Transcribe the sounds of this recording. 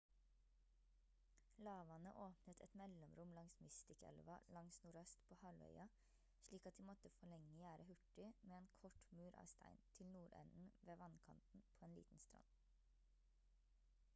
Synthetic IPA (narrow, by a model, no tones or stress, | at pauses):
lɑːʋɑnəʔoːpnət̪ʰɛ̰t̪mɛlɔmɾʊmlɑŋsmɪst̪ɪkɛ̰lʋɑlɑŋsnʊɾœst̪pʰoːhɑlœ̰ʏɑ | ʃliːkɑt̪̚d̪iːmɔt̪əfɔɭɛŋəjæːɾʔəhʉʈɪmeːeːnkʰɔʈmʉːɾɑ̰ːst̪ʰæ̰ɪnt̪ʰɪlnuːɾɛ̰nn̩ʋeːʋɑnkʰɑnt̪n̩pʰoːeːnlḭːt̪n̩st̪ɾɑ̰n